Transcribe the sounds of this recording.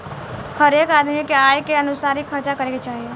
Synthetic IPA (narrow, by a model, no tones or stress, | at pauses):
həɾeːkaːd̪mikeaːjkeənʊsaːɾɪkʰəɾt͡ʃakəɾeket͡ʃaːɦie